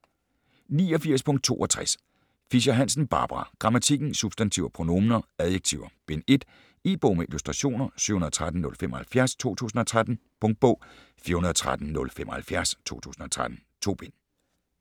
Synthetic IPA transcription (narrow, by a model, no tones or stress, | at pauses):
nḭːɒ̽fiɐspʰɔ̽ŋd̥̚t͡sʰo̝̰ːʔɒ̽t͡sʰʁas | fiɕɑɦænsn̩b̥ɑ̰̈ːb̥ʁɑ̈ɡ̥ʁɑ̈mæt͡sʰiɡ̥n̩sub̥sd̥ænt͡sʰiʊ̰ɐpʰʁo̝no̝mnɐæðˠjeɡ̥̚t͡sʰiʊ̰ɐb̥e̝ne̝d̥ | e̝̰ːb̥ɔʊmeilusd̥ʁɑ̈ɕo̝̰ːnɐsy̰hunɐt͡sʰʁad̥n̩ːɔ̽lfem̰ʔɒhælfjæɐst͡sʰo̝̰ːt͡sʰṵːsn̩ɒ̽t͡sʰʁad̥n̩pʰɔ̽ŋ̰d̥̚b̥ɔ̰̽ʊ̰ | fiːɐhunɐð̩ˠɒt͡sʰʁad̥n̩nɔ̽lfemɒ̽hælfjæɐst͡sʰo̝̰ːt͡sʰṵːsn̩ɒ̽t͡sʰʁad̥n̩t͡sʰo̝̰ːb̥e̝n